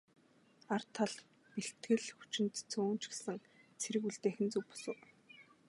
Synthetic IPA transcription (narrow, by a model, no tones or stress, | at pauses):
ar̥t̪ʰaɮ | piɬt̪ɡɘ̆ɮxu̥t͡ɕɪ̆nt̪t͡sʰoːnt͡ɕɡe̥sɘ̆ŋ | t͡sʰeɾɘ̆ɣuɮt̪eːxɘ̆nt͡suwpɔ̥sʊ̆w